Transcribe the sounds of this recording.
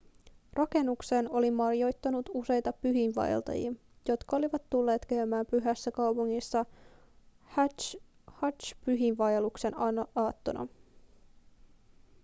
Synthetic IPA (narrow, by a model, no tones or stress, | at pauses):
rʔɑke̞nːukse̞ːno̞limːɑrjo̞jt̪ːɑnut̪use̞jt̪ɑpyɦinʋɑ̰j̰lt̪ɑ̰jḭɑ | jo̞t̪kɑo̞liʋɑt̪ːulːe̞ːt̪kæymæːmpyɦæsːækɑwpuŋːisːɑ | hɑt͡ʃpyɦinʋɑjelukse̞nɑːt̪ːo̞nʔɑ̰